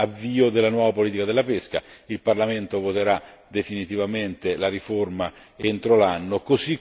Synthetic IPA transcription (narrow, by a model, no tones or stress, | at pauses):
avːiːod̪elːanwɔːvapoliːt̪ikad̪elːapeska̰ilparlament̪ovot̪eɾa | d̪efinit̪ivament̪elaɾiforma | ent̪ɾolanːokosi